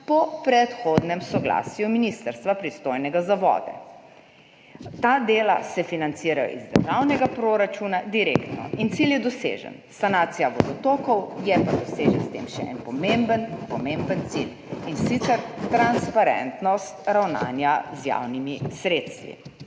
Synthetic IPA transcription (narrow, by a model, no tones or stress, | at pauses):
pɔpɾɛt̪xoːd̪nɛmsɔɡla̰ːsjuminist̪əɾst̪ʋapɾist̪oːjnɛɡazaʋɔ̰ːd̪ɛ̰ | t̪ad̪eːla̰sɛfinant̪siɾajɔ̰ʔizd̪ə̰ɾʒawnɛɡapɾoɾat͡ʃunad̪iɾḛkt̪nɔ̰int̪siljɛd̪ɔsḛːʒə̰nsanaːt̪sijaʋɔd̪ɔt̪oːkɔwjɛpad̪ɔseːʒənst̪ḛmʃɛ̰ʔɛ̰npɔmembənpɔmembənt̪sḭl | insit̪sɛɾt̪ɾanspaɾɛ̰nt̪nɔst̪ɾawna̰ːnjazja̰wnimisɾeːt̪st̪ʋḭ